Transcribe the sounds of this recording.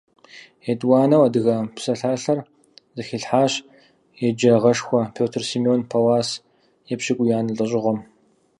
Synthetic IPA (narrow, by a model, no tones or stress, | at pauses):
etʼwaːnɐwɐdɨɣɐpsɐɬaːɬɐr | zɨxiɬħaːɕ | jɛd͡ʒɐʁɐʂxʷɔpʰoːtʰɨrsimioːnpʰɐwaːs | jɛpɕɪkʷʼʊjaːnɨɬʼɨɕ̬ʼɪʁɐm